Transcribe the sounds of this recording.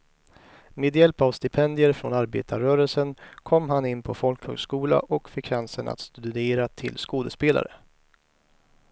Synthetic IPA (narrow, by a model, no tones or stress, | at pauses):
meːd̪jɛlpavst̪ɪpʰɛnd̪ɪjəɾfɾonaɾbḛːt̪ʰaɾœːɾəlsənkʰɔmːɦanɪnːpʰɔfɔlkhœ̰ːɡskuːla̰ʔɔkfɪkʰːansəna̰t̪st̪ɵd̪ɵd̪eːɾat̪ʰɪlskoːd̪əspeːla̰ɾə